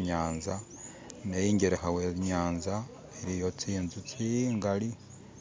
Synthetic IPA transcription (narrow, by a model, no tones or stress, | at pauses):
ɲaːnza | nejiːɲɟeɾexawe̞βiɲaːnza | iɾijo̞t͡siːnzut͡siŋɡali